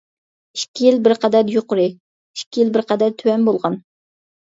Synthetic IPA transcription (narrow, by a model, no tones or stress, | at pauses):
iʃkʲʰːijilbɪɾqɑd̪æɾjoqʊɾɨ | iʃkʲʰːijilbɪɾqʰɑd̪æɾt̪ʰywɛnbolˠʁɑn